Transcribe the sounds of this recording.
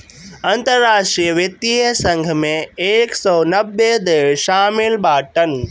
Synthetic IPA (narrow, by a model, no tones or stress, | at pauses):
ɐ̃nt̪əɾːaːʃʈɾiəʋjɐt̪isɐ̃ŋɡʱmẽeːksɔːnɐbed̪ɪʃaːmɪlɓaːʈɐn